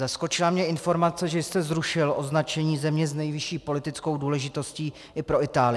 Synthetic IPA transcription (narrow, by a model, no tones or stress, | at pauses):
zasko̞t͡ʃɪlamɲɛɪnfo̞ɾmat͡sɛʒɛjɪst̪ɛzɾuʃɪlʔo̞znat͡ʃɛɲiːzɛmɲɛznɛjvɪʃiːpo̞lɪt̪ɪt͡sko̞wduːlɛʒɪt̪o̞sciː | ʔɪpɾo̞ɪt̪aːlɪ